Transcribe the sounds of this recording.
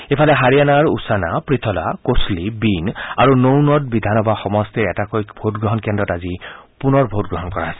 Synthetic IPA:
epʰalɛɦaɹijanaɹusanapɹit̪ʰɔla̰koslibinaɹunownɔtbid̪ʱanɔbʱaxɔmɔstɛɛtakojbʱotɡɹɔɦɔnkɛndɔtazipunɔɹbʱotɡɹɔɦɔnkɔɹasɛ̥

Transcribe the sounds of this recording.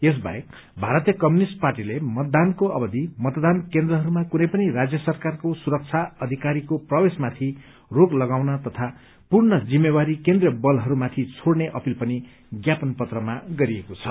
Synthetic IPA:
es̬ba̰ek̚ | bʱaɾʌt̪ijʌkʌmjunisʈ̚parʈilemʌt̪̚d̪ankoʔʌbʌd̪ʱimʌt̪d̪ankend̪ɾʌɦʌɾumakunʌjpʌniɾad͡zjʌsʌrkarkosuɾʌk̚t͡sʰaʌd̪ʱikaɾikoprʌwesmat̪ʰi | roklʌɡawnat̪ʌt̪ʰa | purnʌd͡zimːewaɾikend̪rʌbʌlɦʌɾumat̪ʰit͡sʰoɽneʔʌpilpʌni | ɡjapʌnpʌt̪rʌmaɡʌɾiekot͡sʰʌ

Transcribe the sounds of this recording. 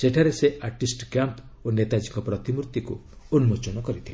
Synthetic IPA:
seʈʰaɾeseʔaɾʈisʈkjamp | onet̪ad͡ʒikɔpɾɔt̪imuɾt̪iku | unmot͡ʃɔnɔkɔɾit̪ʰile

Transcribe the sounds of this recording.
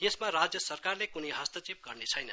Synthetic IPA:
jesmaɾad͡zjʌsʌrkarlekunʌjɦʌst̪ʌt͡sip̚ɡʌrnet͡sʰʌjnʌ

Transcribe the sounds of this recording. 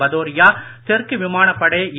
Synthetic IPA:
ɐðoːɾɪjaːt̪ɛrkɯʋɪmaːɳɐpːɐɽɐːi

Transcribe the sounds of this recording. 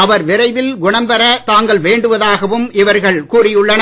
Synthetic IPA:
ɐʋɐɾʋɪɾɐɪʋɪlɡʊɳɐmbɐɾɐt̪aːŋɡɐɭʋeːɳɖɯʋɐðaːɣɐʋɯmɪʋɐɾɣɐɭkuːrɪjʊɭːɐn

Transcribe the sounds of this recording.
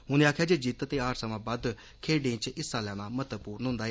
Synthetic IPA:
ɦʊneaːkʰjaːd͡ʒeːd͡ʒiːt̪t̪eːaːɾsəmãːbad̪ | kʰeːɖẽːt͡ʃɪsːaːlɛːnaːmət̪əpuːɾənɦʊ̃nd̪aːɦɛː

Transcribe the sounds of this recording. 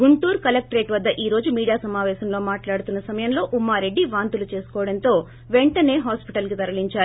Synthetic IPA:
ɡuɳʈuːɾkɐlɐk̚ʈɾe̞ːʈʋɐd̪ːɐʔiːɾo̞ːd͡ʒumiːɽijaːsɐmaːʋɛːsɐmlo̞ːmaːʈlaːɽut̪unːɐsɐmɐjɐmlo̞ːʔumːaːɾe̞ɖːiʋaːnt̪ulut͡ʃe̞ːsu̥kɔːʋɐɽɐnt̪o̞ː | ʋeɳʈɐne̞ːɦaːspiʈɐlkit̪ɐɾɐliɲt͡ʃaːɾu

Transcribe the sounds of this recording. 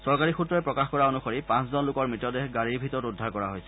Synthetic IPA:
sɔɹkaɹixutɹɔɛpɹɔkaxkɔɹaonuxoɹipãszɔnlʊkɔɹmitːɔdexɡaɹibʱitɔɹɔtudʱːaɹkɔɹaɦojsɛ̥

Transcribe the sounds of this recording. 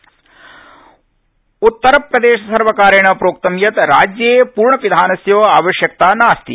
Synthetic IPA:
ut̪ːɐɾɐpɾɐd̪eːʃɐsɐɾʋɐkaːɾɐɳɐpɾoːk̚t̪ɐmjɐt̪ɾaːd͡ʒjɐeːpuːɾɳɐʋid̪ʱaːnɐsjoːaːʋɐʃjɐk̚t̪aːnaːst̪ḭ

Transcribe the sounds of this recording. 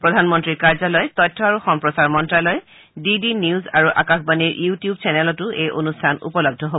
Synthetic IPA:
pɹɔdʱanmɔntɹiɹkaɹzalɔjtɔjtʰːɔaɹuxɔmpɹɔsaɹmɔntalɔj | didiniuzaɹuʔa̰kaxbaniɹjutijub̚t͡ʃɛnɛlɔtʊʔejʔonustʰanṵpɔlɔɡ̚dʱɔɦobɔ

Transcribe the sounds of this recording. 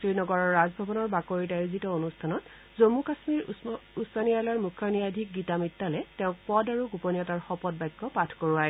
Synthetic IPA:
tɹinɔɡɔɹɔɹːazbʱɔbɔnɔɹbakoɹitajuzitɔonustʰanɔt | zomukasmiɹusanialaɹmukʰːaniadʱik̚ɡitamitːalɛtɛʊ̃k̚pɔdaɹuɡuponiɔtaɹxɔpɔd̚bajɡɔpatʰkoɹuajɛ

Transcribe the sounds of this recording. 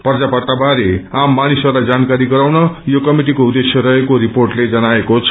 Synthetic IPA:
pʌrd͡zapʌrt̪abʱaɾeamːanisʌrlajd͡zankaɾiɡʌɾawnʌjokʌmiʈikoud̪ːesjʌɾʌɦekoɾiporʈled͡zʌnaekot͡sʰ

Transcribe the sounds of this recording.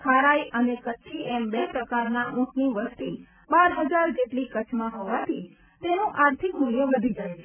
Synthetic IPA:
kʰaɾajʔənekət͡ʃʰiembepɾəkaɾnaʔũʈniʋəst̪i | baɾɦəd͡ʒaɾd͡ʒeʈlikət͡ʃʰmãɦoʋat̪ʰi | t̪enũʔaɾt̪ʰikmunjəʋəd̪ʱid͡ʒajt͡ʃʰe

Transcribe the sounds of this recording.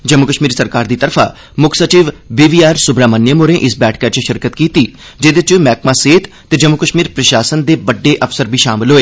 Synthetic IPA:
d͡ʒəmːʊkəʃmiːɾsəɾkaːɾd̪iːt̪əɾpʰa̰ː | mʊkʰsət͡ʃiːʋbiːʋiːaːɾsʊbɾaːmənːjəmoːɾẽːʔɪsbɛːʈʰkat͡ʃəʃɪɾkət̪kiːt̪iː | d͡ʒed̪et͡ʃmɛːk̚maːseːt̪ | t̪ːeːd͡ʒəmːʊkəʃmiːɾpɾəʃaːsənd̪eːbəɖːeːʔəpsəɾbʱiːʃaːmɪlɦoːeː

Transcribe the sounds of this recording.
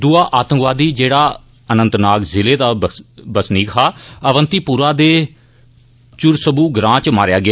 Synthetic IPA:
d̪ʊaːʔaːt̪ə̃ŋkʋaːd̪iːd͡ʒeːɽaː | ənə̃nt̪naːkzɪleːd̪aːbəsniːkʰaːəʋənt̪iːpuːɾaːd̪eː | t͡ʃʊɾsəbuːɡɾãːt͡ʃmaːɾɪjaːɡɪaː

